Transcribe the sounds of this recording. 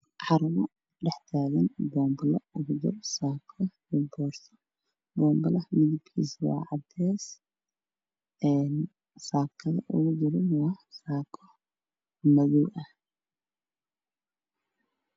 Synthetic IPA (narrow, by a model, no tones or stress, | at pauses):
ʕɑɾɐβɔ | ɖɛħt̪ʰaːɣɐnbɔːmbɔlɐʊɣʊd̪ʊrsaːkʰɐ | ʊbɔːrsɔ̥ | bɔːmbɐlɐhmɪðɐbkʰḭːswɑ̰ːʕɑd̪ɛːs | ɛːn | saːkʰɐðɐʔʊ̰ɣʊd̪ɪɾɪnwɑsaːkʰɔ | mɐðɔwʔɐh